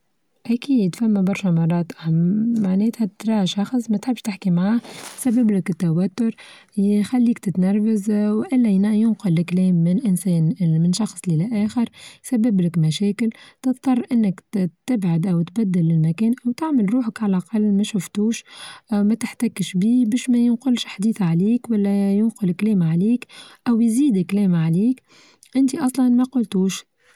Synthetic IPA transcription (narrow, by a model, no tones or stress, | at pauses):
ʔækiːd̪fæmːæbɑɾˤʃɛmɑrˤːɑːt̪ˤamaʕnɛːt̪hæt̪ɾˤɑːʃɑxsˤmæt̪ħɪbːʃt̪ɪħkimʕaːhsæbːɪblɪkɪt̪ːawæt̪ːʊɾ | xælːiːkt̪ɪt̪nɑɾˤvazwʔɪlːæjnjʊnqʊlːɪklɛːmːɪnʔɪnsɛːnmɪnʃɑxsˤlilæʔæːxɪɾsabːɪblɪkmæʃɛːkɪlt̪ɨt̪t̪ˤːɑrˤʔɪnːəkt̪ɪbʕad̪ʔæwt̪bæd̪ːɪlːɪlmækɛːnʔæwt̪aʕməlɾuːħəkʕalʔɑqɑlːmæʃʊft̪uːʃʔmæt̪ɪħt̪ækɪʃbiːbɛːʃmæjɪnqʊlʃħd̪iːθʕaliːkwælːæjʊnqʊlklɛːmʕaliːkʔæwjziːd̪ɪklɛːmʕaliːk | ʔɪnt̪iʔɑsˤlɑnmæqʊlt̪uːʃ